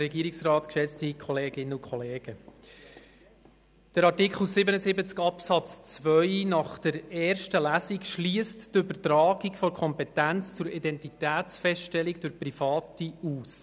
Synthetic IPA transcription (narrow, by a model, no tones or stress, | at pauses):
ɾɛɡiːɾiksrɑːt̪kʃɛt͡stikχɔleːɡɪnəʊkχɔleːɡ̥ə | d̥əɾɑɾtikχl̩ˠsɪbənəzɪbət͡skɑpsɑt͡st͡svœʏnɑχd̥əɾɛːrʃtəlæsikʃliəsttʏbərtɾɑːɡikfɔɾkʰɔmpɛtænt͡st͡sʊɾidɛntitæːt͡sfɛsʃtɛlikd̥ʊɾprifɑːtiuːs